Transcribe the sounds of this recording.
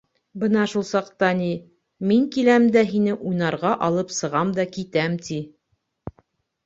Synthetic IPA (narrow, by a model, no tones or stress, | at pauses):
bɤnɑʃulˠsɑqt̪ɑni | miŋkilæmd̪æɦinɘʔujnɑɾʁɑʔɑlˠɤpsɤ̆ʁɑmd̪ɑkit̪æmt̪i